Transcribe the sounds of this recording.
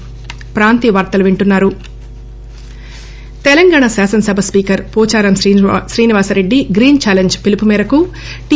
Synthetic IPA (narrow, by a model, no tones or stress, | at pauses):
pɾaːnt̪iʋɐɾt̪ɐluʋiɳʈunːaːɾu | t̪ɛlɐŋɡaːɳasaːsɐnsɐbʱɐspiːkɐɾpuːt͡ʃaːɾɐmʃɾiːniʋaːsɐɾe̞ɖːiɡɾiːnt͡ʃaːleɲd͡ʒpilipumɛːɾɐku | ʈi